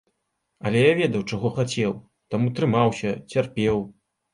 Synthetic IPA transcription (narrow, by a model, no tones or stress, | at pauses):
ɐlʲɛjavʲɛd̪ɐwt͡ʂaɣɔxat͡sʲɛw | t̪amut̪ɾɨmawsʲɐt͡sʲarpʲɛw